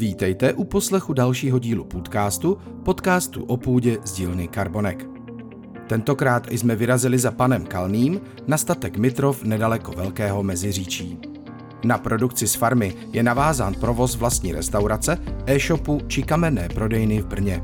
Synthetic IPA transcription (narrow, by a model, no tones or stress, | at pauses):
viːt̪ɛjt̪ɛʔupo̞slɛxudalʃiːɦo̞ɟiːlupuːt̪kaːst̪u | po̞t̪kaːst̪ṵʔo̞puːɟɛzɟiːlnɪkaɾbo̞nɛk | t̪ɛnt̪o̞kɾaːt̪ʔɪ̰smɛvɪɾazɪlɪzapanɛmkalniːm | nast̪at̪ɛkmɪt̪ɾo̞fnɛdalɛko̞vɛlkɛːɦo̞mɛzɪriːt͡ʃiː | napɾo̞dukt͡sɪsfaɾmɪ | jɛnavaːzaːnpɾo̞vo̞svlast̪ɲiːɾɛst̪awɾat͡sɛʔɛːʃo̞put͡ʃɪkamɛnɛːpɾo̞dɛjnɪvbr̩ɲɛ